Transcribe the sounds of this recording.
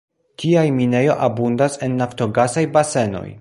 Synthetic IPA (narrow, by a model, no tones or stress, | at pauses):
tʰiajmine̞jo̞ʔabundase̞nːafto̞ɡasajbase̞no̞̰j